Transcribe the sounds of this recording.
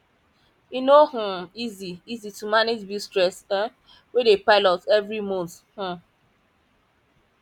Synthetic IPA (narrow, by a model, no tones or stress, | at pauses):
inoh̩iziizitumaned͡ʒbistɹɛsɛ | wedepaɪlɔtɛvɹimõnθ | h̩